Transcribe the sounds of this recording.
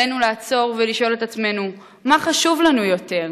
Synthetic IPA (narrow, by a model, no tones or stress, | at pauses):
enulaːt͡so̞ʁveliʃo̞let̪at͡sme̞nu | maχaʃuvlanujo̞te̞ʁ